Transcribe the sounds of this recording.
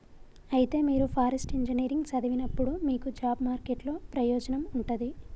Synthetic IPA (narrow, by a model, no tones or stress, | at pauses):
ɐjit̪e̞ːmiːɾupʰaːɾesʈiɲd͡ʒɐniːɾiŋɡsɐd̪ɐʋinɐpːuɽumiːkud͡ʒaːbmaːɾkeʈlo̞ːpɾɐjɔːd͡ʒɐnɐmuɳʈund̪i